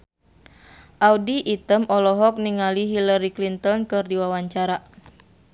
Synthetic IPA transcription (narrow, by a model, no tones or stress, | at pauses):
ʔawdiʔːt̪əmɔlɔɦɔk̚niŋaliɦilaɾiklint̪ɔnkɨrdiwawaɲt͡ʃaɾa